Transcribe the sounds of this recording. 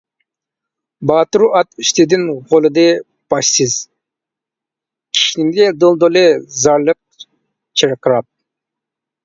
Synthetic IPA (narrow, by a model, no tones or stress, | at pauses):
bɑːt̪ɾuʔɑt̪iʃt̪ed̪inʁolˠɯd̪ɯ | b̥ɑʃsɨz̥ | kʲʰi̥ʃiniŋɡ̪ʲed̪olˠd̪olezɑɾlˠɯq̚ | t͡ʃʰiɾqɾɑp̚